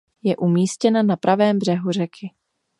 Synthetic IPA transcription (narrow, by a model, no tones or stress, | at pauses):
jɛʔumiːscɛnanapɾʔavɛːmbr̝ɛɦur̝ɛkʰɪ